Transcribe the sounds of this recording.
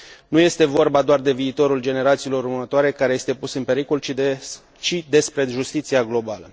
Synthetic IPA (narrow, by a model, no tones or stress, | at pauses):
nuje̞st̪e̞vo̞rbad̪oard̪e̞viːt̪o̞ɾuld͡ʒe̞ne̞ɾat̪siːlo̞ɾunət̪oaɾe̞kaɾe̞je̞st̪e̞pusɨnpe̞ɾiko̞l | t͡ʃid̪e̞spɾe̞ʒust̪it̪siaɡlo̞balə